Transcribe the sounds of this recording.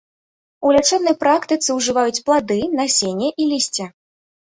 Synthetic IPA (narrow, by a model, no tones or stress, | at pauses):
ulʲat͡ʂɛd̪nɐjpɾakt̪ɨt̪sɨwʐɨvajut͡sʲplˠad̪ɨnasʲenʲɛʔilʲisʲt͡sʲɛ